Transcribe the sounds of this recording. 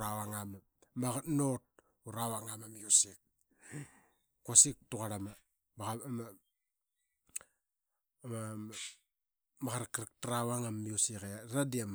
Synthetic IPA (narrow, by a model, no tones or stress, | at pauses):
ɾawaŋama | maɣatnot̚ | uɾawaŋamamiusik̚ | kːasik̚tukaɾama | baɣama | ma | makaɾakɾak̚tɾawaŋamiusikeaɾadiam